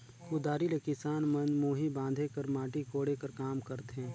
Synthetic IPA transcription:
ʊd̪aːɾilekɪsaːnmɐnmuːɦibãːnd̪ʱekɐɾmaːʈikoːɽekɐɾkaːmkɐɾt̪eɦɛ̃ː

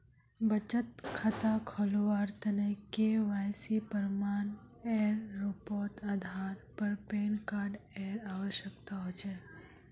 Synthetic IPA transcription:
bət͡ʃət̪kʰət̪akʰoloʋaɾt̪ənekeʋajsipəɾman | eɾːupɔt̪ʰad̪ʱaɾpəɾpenkaɾɖeɾaʋəʃjəkt̪aɦojt͡ʃʰe

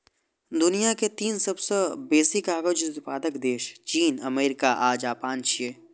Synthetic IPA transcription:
d̪ʊnijaket̪iːnsɐbsebeːsɪkaːɡəd͡ʒʊt̪paːd̪əkd̪eːʃt͡ʃiːnəmeːɾɪkaʔaːd͡ʒaːpaːnt͡ʃʰieː

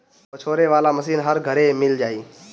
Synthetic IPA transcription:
pət͡ʃʰoːɾeʋaːlaməsiːnɦəɾɡʱəɾemɪld͡ʒaːiː

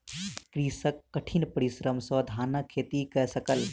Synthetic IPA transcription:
kɾiːsəkːɐʈʰinpəɾisɾəmsəd̪ʱaːnəkʰːeːt̪ikɛsəkəl

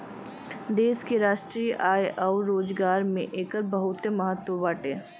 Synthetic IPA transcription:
d̪eːskeɾaːʃʈɾiːjʔaːjʔɔːɾɾːoːd͡ʒɡaːɾmḛ̃ʔeːkəɾbɐɦʊt̪emɐɦət̪wəbaːʈeː

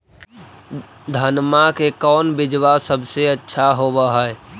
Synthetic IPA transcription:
d̪ʱənmakekɔːnbɪd͡ʒwasəbʱseətːʃʰaɦobəɦəe

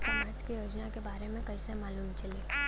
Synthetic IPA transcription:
pɐmaːd͡ʒkijoːd͡ʒnakebaːɾemẽkɐisemaːluːmt͡ʃɐleː

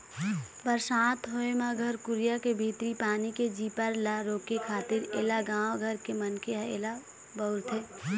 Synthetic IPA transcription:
pəɾsaːt̪ɦoemaɡʱəɾkʊɾijakebʱit̪ɾipaːniked͡ʒiːpəɾlaɾoːkekʰaːt̪ɪɾḛːlaɡãːwɡʱəɾkemənkeḛːla | bəʊɾt̪ʰe

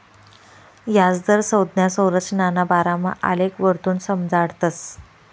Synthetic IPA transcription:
jad͡zd̪əɾsəwd̪njasə̃wɾət͡ɕnanabaɾama̰ʔa̰lekʋəɾt̪uːnsəmd͡zaɽt̪əs

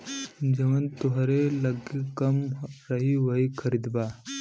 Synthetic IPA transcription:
d͡ʑɐʋənt̪uɦaɾelɐɡikɐmɾəɦiʋɐɦikʰəɾid̪ba

